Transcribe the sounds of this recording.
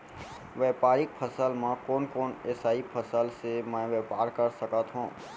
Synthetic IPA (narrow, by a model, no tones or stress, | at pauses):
ʋɛːpaːɾɪk̚pʰəsəlmãkɔːnkɔːneːsaːipʰəsəlsemɛ̃ʋɛːpaːɾkəɾsəkət̪ɦũː